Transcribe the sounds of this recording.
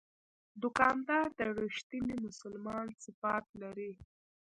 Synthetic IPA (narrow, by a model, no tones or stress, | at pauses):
d̪ʊkɑnd̪ɑɾd̪əɽəʃt̪inimʊsʊlmɑnsɪfat̪̚laɾi